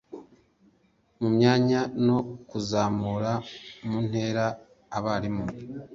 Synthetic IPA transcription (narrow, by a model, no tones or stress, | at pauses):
mumɲaːɲano̞kuzaːmuɾamuːn̥he̞ːɾaː | βaːɾimu